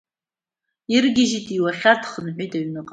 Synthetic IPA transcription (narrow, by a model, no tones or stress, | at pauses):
irɡʲɪʒitʼiwaχʲatʰχənħʷʏijtʰʼaɥnɨqʼ